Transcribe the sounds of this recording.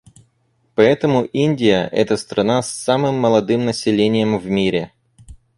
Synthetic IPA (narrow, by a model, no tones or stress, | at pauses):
pɐɛt̪əmʊʔinʲdʲɪjəʔɛ̰t̪əst̪ɾʔɐnasːamɨmːəlˠɐd̪ɨmnəsʲɪlʲenʲɪjəmvmʲiɾʲɪ